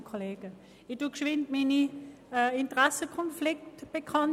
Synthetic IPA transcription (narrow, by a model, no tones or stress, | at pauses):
kʰoleːɡə | ɪduːkʃʋɪntmini | ɪntʁɛsəkʰɔnflɪk̚tb̥əkʰɑn